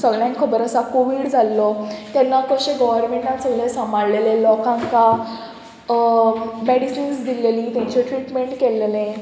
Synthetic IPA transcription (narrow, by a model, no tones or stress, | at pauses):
səɡɭjãŋkʰəbəɾəsakoʋiːɽd͡zʱalːɔt̪janːakəɕẽɡɔʋəɾmẽɳʈãt̪t͡səɡlesamaɽlelẽlɔkãŋka | meɽisinsd̪ilelit̪jãɲt͡ɕeʈɾiʈmeɳʈkelːelẽ